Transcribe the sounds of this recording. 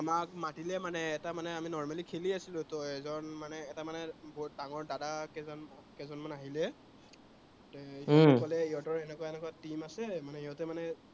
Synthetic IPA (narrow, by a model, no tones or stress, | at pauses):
amak̚matilɛmanɛːtamanɛaminɔɹmalikʰeliasilʊ̃tɔɛzɔnmanɛːtamanɛbɔt̚daŋɔɹdadakɛzɔnkɛzɔnmanaɦilɛ | tɛkɔlɛiɦɔtɔɹɛnɛkwaɛnɛkɔwatimasɛmanɛiɦɔtɛmanɛ